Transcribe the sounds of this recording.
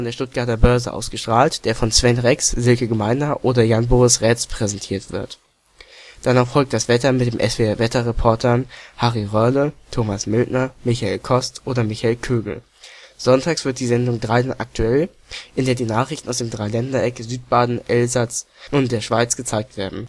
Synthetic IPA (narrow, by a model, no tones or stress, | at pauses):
ɔndeɐʃtʊt̚ɡ̥aɐtɐbœɐzə̰ʔa̰ʊsɡ̥əʃtʁ̥aːltd̥eːɐfɔnt͡sv̥ɛnʁɛksz̥ɪlkəɡəmaɪnɐʔoːdɐjanboːʁɪsʁɛːt͡spʁ̥ɛzɛntʰiːɐtv̥ɪ̰ɐt | d̥anaʊxfɔlk̚t̚d̥asv̥ɛtɐmɪtd̥eːmʔɛsv̥eɛɐvɛtɐʁɛpʰɔɐtʰənhaʁiʁœlətʰoːmasmɪltnɐmɪçaeːlkʰɔstʔoːdɐmɪçaɪlkʰøːɡl̩ | z̥ɔntʰaːksv̥ɪɐt̚d̥iːzɛndʊŋdʁaɪdnʔa̰k̚tʰuɛl | ʔɪndeːɐdiːnaːχʁ̥ɪçtn̩aʊsd̥eːmdʁaɪlɛndɐʔɛkəzyːtb̥aːdn̩ʔɛlzat͡sʔʊntd̥eːɐʃv̥aɪt͡sɡ̥ət͡saɪk̚tv̥eːɐdn̩